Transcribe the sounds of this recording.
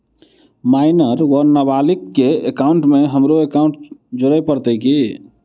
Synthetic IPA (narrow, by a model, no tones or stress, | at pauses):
maɪnəɾwəɾnəbalikːeekauɳʈmeɦəmɾoekaʊ̃ɳʈ̚d͡ʒoɾəpəɾt̪əki